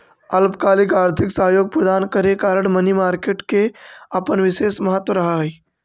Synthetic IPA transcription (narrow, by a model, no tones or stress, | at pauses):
ɐlpkaːlikaːɾt̪ʰiksəɦjoːɡ̚pɾəd̪aːnkəɾekaːɾəɳmɐnimaːɾkeːʈkeapəɳʋiʃeːsmɐɦət̪ːʋəɾɐɦaɦəj